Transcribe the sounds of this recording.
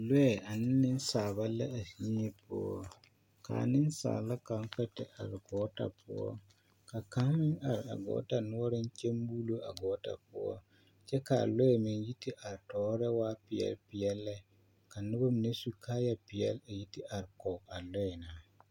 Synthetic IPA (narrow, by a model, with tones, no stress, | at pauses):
lɔ˦ɛ˨a˨nɪ˦nɪ˦n˦saː˨ba˦lɛ˦a˨sɲi˦e˦pʊ̰˦ɔ˦ | ka̰˨nɪ˦nsa̰ː˨la˦ka˨˦ŋ˦kɛ˦tɛ̰˨ʔa̰˨ɾɪ˨ɡɔː˦ta̰˨pʰʊ˦ɔ̰˦ | ka˨ka˨˦mɪ˦ŋa˨ɾɪ˨a̰˨ɡɔ̰ː˨˦ta˨nʊ˦ɔ˦ɾɪ˦n˦t͡ʃe˦mbu˦lo˦a˨ɡɔː˨˦ta̰˨pʊ˦ɔ̰˦ | t͡ʃɛ˦ka̰˨lɔ˦ɛ˨mɛ˨nji˦ti˦ʔa˨ɾtɔː˨˦ɾɛ˦waː˦pɪ˨ɛ̰˦lpɪ˨ɛ˦lːɛ˦ | ka˨nʊ˦ba˦mi˨ne˦su˦kʰaː˦ja˦pɪ˨jɛ̰˦la˨ji˦tɪ˦ʔa˨ɾɪ˨kɔ˨a˨lɔ˦ɛ˨naː˨˦